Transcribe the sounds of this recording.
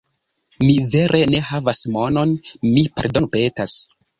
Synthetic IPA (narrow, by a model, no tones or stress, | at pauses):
mive̞ɾʔe̞ne̞havasmo̞no̞nmipḛɾdonpe̞tas